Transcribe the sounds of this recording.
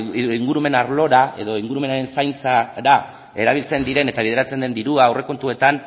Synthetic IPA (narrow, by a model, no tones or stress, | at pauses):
iŋɡuɾume̞naɾlo̞ɾaʔe̞̰ðo̞iŋɡuɾume̞naɾe̞nsajnt͡saɾa | e̞ɾaβ̞ilt͡se̞nd̪iɾe̞ne̞t̪aβ̞iðe̞ɾat͡se̞nd̪e̞nd̪iɾuaːwre̞ko̞nt̪ue̞t̪an